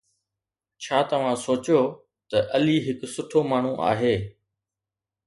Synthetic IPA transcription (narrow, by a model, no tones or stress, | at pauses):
t͡ɕʰaːt̪ɐʋ̤ãsoːt͡ɕjoː | t̪ɐʔɐliːɦɪksʊʈʰoːmaːɳ̤ũʔa̰ːɦeː